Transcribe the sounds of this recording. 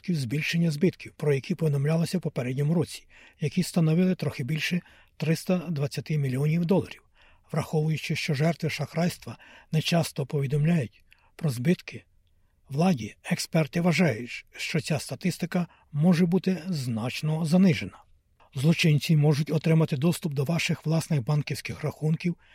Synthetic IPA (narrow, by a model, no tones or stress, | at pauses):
kʲiwzbʲilʲʃenʲːɐzbɪt̪kʲiwpɾɔjɐkʲipɔʋʲid̪ɔmlʲalˠɐsʲɐwpɔpɛɾɛdʲnʲɔmʊɾɔt͡sʲi̥ | jɐkʲist̪ɐnɔʋɪlˠɪt̪ɾɔxɪbʲilʲʃɛ | t̪ɾɪst̪ɐd̪ʋɐt͡sʲːɐt̪ɪmʲilʲiɔnʲiwd̪ɔlˠɐ̰ɾʲiw | ʋɾɐxɔʋʊjʊt͡ʃɪʃt͡ʃɔʒɛrt̪ʋɪʃɐxɾɑjst̪ʋɐnɛt͡ʃɑst̪ɔpɔʋʲid̪ɔmlʲajʊtʲ | pɾɔzbɪt̪kɪ | ʋlˠɑdʲiɛkspɛrt̪ɪʋɐʒɑjʊtʲʃt͡ʃɔsʲast̪ɐt̪ɪst̪ɪkɐ | mɔʒɛbut̪ɪznɑt͡ʃnɔzɐnɪʒenɐ | zlˠɔt͡ʃɪnʲt͡sʲimɔʒʊtʲɔt̪ɾɪmɐt̪ɪd̪ɔst̪ʊp̚d̪ɔʋɑʃɪxʋlˠɑsnɪɣbɑnkʲiwsʲkɪxrɐxunkʲiw